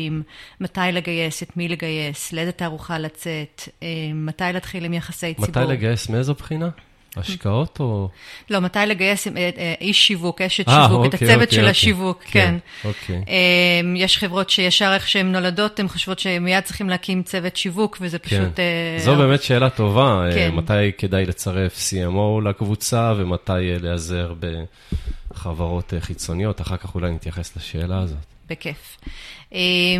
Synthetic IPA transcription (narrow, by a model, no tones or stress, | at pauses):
imːatajleɡajesetmileɡaje̞sledetaːʁuχalat͡se̞teːatajlaːtχilimjaχasejmsaivajleɡajesmiezopχina | a̰ʃkao̞tolo̞matajleɡajeseʔiʃːivukeʃetaʃivuektat͡sevetʃelaʃivukkːenokʰejʔemjeʃχevʁo̞tʃejaʃaʁeχʃeemno̞lado̞temχo̥ʃvo̞tʃemijad̚t͡sʁiχimleakimt͡se̞vetʃivukvezepauntzobeːmetʃe̞ːlato̞vaematajke̞dajle̞t͡saʁe̞fsiemowlakvut͡savematajleaze̞ʁbe̞ | χavaʁo̞t̪eχit͡so̞nijo̞taχaʁkaχulajnit̪jaχe̞slaʃe̞ːlaːzo̞t̪ | bekefʔe